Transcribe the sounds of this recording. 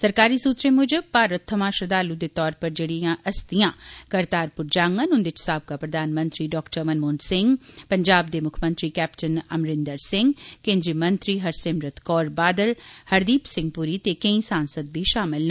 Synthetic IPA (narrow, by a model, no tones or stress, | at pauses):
səɾkaːɾiːsuːt̪ɾẽːmʊd͡ʒpaːɾət̪ʰːəmãːʃəd̪aːlud̪eːt̪ɔːɾpəɾd͡ʒeːɽijãːʔəst̪ijãːkəɾt̪aːɾpʊɾd͡ʒaːŋɡənʊ̃nd̪ɪt͡ʃsaːb̚kaːpɾəd̪aːnmə̃nt̪ɾiːɖɔːkʈəɾmənmoːnd̪sɪ̃ŋɡpəɲd͡ʒaːbd̪eːmʊkʰmə̃nt̪ɾiːkɛːpʈənəmɾɪ̃nd̪əɾsɪ̃ŋɡkẽːnd̪ɾiːmənt̪ɾiːɦəɾsɪmɾət̪kɔːɾbaːd̪əlhəɾd̪iːpsɪ̃ŋɡ̚puːɾiːt̪eːkə̃ĩsaːnsəd̪̚biːʃaːmɪln